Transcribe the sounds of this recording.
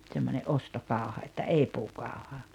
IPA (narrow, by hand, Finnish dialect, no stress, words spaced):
t̆semːonʲeʔ ʔostokɑˑu̞hɑ etːæ ei puːkɑˑu̞hɑ